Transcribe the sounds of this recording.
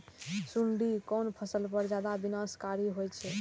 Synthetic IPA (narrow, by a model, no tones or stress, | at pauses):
suɳɖikɔnpʰəsəlpəɾd͡ʒad̪abinaskaɾiɦojt͡ʃʰɛ